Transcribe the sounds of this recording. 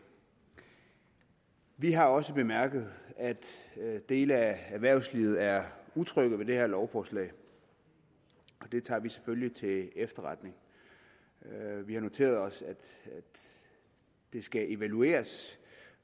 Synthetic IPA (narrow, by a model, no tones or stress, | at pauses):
ʋiɦɑ̈ɒ̽səb̥e̝mæɐɡ̥ð̞̩ˠæd̥d̥e̝ːləææʋæɐ̰ʊsliʊð̩ˠæɐut͡sʰʁœɡ̥ðˠʋe̝d̥e̝heɐ̰lɒʊfɒːslɛ̰ːɪ | ʔɒ̽d̥e̝t͡sʰɑ̰̈ːʋise̥føljit͡sʰe̝efd̥ɐʁɑ̈d̥ne̝ŋ | ʋihɑ̈no̝t͡sʰe̝̰ːɐð̞ˠɒ̽sæd̥ | d̥e̝sɡ̥æʔe̝ʋælue̝̰ːɐs